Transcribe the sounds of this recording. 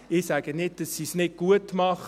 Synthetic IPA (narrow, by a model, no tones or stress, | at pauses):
ɪsæɡ̥ənɪt̚d̥ɑsːisnɪt̚ɡ̥uətmɑχ